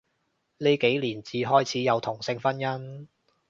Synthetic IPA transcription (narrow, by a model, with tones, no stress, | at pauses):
le˨˧jke˨˥jliː˨˩nt͡siː˨ɦɔː˥jt͡sʰiː˨˥jɐ˨˧wt̪ʰʊ˨˩ŋsɪ˧ŋfɐ˥njɐ˥n